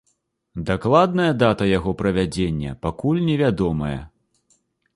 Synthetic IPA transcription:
d̪aklˠad̪nɐjɐd̪at̪ɐjaɣɔpɾɐvʲad͡zʲenʲːɐ̰pakulʲnʲɛvʲad̪ɔmɐjɛ̰

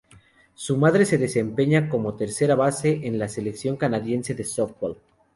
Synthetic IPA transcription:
sumaðɾe̞seðe̞se̞mpe̞ɲako̞mo̞t̪e̞ɾse̞ɾaβase̞ʔenlase̞le̞ksjo̞ŋkanaðje̞nse̞ðesoft̪̚wol

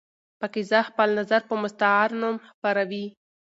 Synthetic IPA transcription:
pəkezəxpəlnazaɾpəmʊst̪aaɾnomxpaɾawi

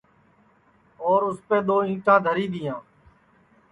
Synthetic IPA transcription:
oːɾʊspeːd̪oːĩːʈãːd̪ʱəɾiːd̪ɪjãː

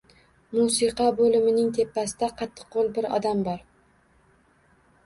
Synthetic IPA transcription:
musiqʰɑbolɪmɪnɪŋt̪ʰe̞pːasɪd̪aqʰɑt̪ʰːɨ̥q̚ːolˠbɪɾɒ̰d̪ambɒɾ

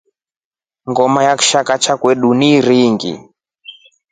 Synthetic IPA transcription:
ŋɡɔmajaku̥ʃakat͡ʃakwɛɗuniɾiŋɡḭ

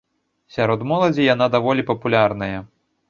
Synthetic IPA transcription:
sʲaɾɔd̪mɔlˠɐd͡zʲijanad̪avɔlʲipɐpulʲarnɐjɐ

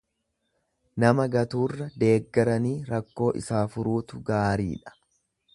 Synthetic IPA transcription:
nɐmɐɡɐt̪uːrːɐd̪e̞ːɡːɐɾɐniːɾɐkːo̞ːʔɪ̰saːfʊɾuːt̪ʊɡaːɾḭːᶑɐ̥

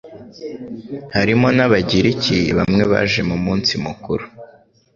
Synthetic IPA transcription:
haɾimo̞naβaɟiɾicʰiβamŋe̞βa̰ːʒe̞mumuːnt͡simukuɾu̥

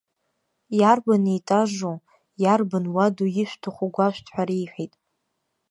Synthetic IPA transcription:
jarbanijtʼaʒʷu | jarbanwadujɪʃʷᶣtʰaχʷʊɡʷaʃʷᶣtʰħʷᶣaɾijħʷᶣitʼ

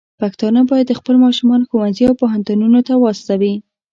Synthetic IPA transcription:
pakt̪ɑnabɑjad̪ːəxpəlmɑʃumɑnoxowanziawpoɦant̪ununot̪awɑst̪awi

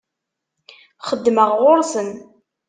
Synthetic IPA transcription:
χəd̪ːməʁʁʊɾˤsən

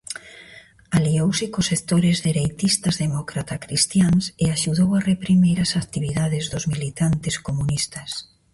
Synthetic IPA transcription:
aliowsɪkosekt̪oɾɪzðiɾejt̪ist̪azðemɔkɾat̪akɾist̪jaŋseaʃuðowarepɾimiɾasakt̪iβiðaðɪzðʊzmilit̪ant̪ɪskomunist̪ɐs

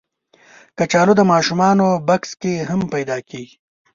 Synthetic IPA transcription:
kɐt͡ʃaːlod̪əmaːʃumɑːnobɐkskeɦɐmpɐjd̪aːkeːɡi

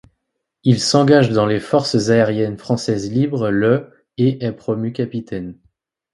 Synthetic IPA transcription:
ilsɑ̃ɡaʒd̪ɑ̃lefɔʁszaeʁjɛnfχɑ̃sɛzlibʁlə | eʔɛpχɔmykʲapit̪ʰɛn

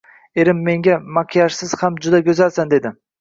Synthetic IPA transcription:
e̞ɾɪmːe̞ŋɡʲamaqʰijaʃsɪz̥hamd͡ʒʊd̪aɡʲɵzalsand̪e̞d̪ɪ

